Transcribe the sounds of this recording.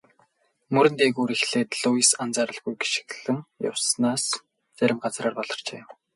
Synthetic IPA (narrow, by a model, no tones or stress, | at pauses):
mɵɾɘ̆nt̪eːɣuːɾixɮeːt̪ɮʊjsant͡saːɾə̆ɮɡujɡi̥ʃɪ̥̆ɣɮɘ̆ŋjʊ̰wsnaːs | t͡sæɾʲɪ̆mɢat͡sraːrpɔɮ̥ɞ̆r̥t͡ɕḛː